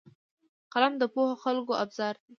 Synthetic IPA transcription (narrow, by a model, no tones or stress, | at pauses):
qalamd̪əpohoxalkoʔabz̥ɑɾd̪e